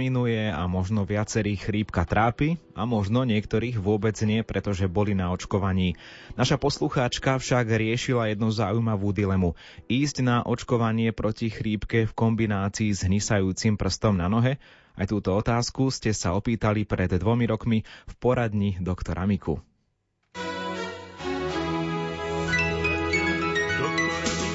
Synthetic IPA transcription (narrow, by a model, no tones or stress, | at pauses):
inujɛa̰mɔʒnɔʋɪat͡sɛɾiːxɾiːpkat̪ɾaːpiamɔʒnɔɲɪɛkt̪ɔɾiːɣʋʊɔbɛd͡zɲɪɛpɾɛt̪ɔʒɛbɔlinaɔt͡ʃkɔʋaɲiː | naʃapɔsluxaːt͡ʃkafʃaɡɾɪɛʃilajɛd̪nuzaːujmaʋuːd̪ilɛmu | iːzɟnaʔɔt͡ʃkɔʋaɲɪɛpɾɔcixɾiːpkɛfkɔmbinaːt͡siːzɦɲisajuːt͡simpr̩st̪ɔmnanɔɦɛ | ajt̪uːt̪ɔɔt̪aːskuscɛsaɔpiːt̪alipɾɛd̪d̪ʋɔmiɾɔkmifpɔɾad̪ɲid̪ɔkt̪ɔɾʔa̰mikʰṵ